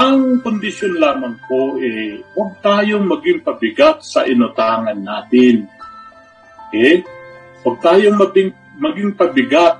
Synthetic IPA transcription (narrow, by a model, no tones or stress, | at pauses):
ʔɐŋkʊnd̪ɪʃjonlaːmɐŋkoʔɛwɐɡ̚t̪aːjoŋmɐɡɪŋpɐbɪɡat̪̚sɐ̰ʔɪnʊt̪aːŋɐnːaːt̪ɪn | ʔɛ | wɐɡ̚t̪aːjoŋmɐɪ | mɐɡɪŋpɐbɪɡat̪̚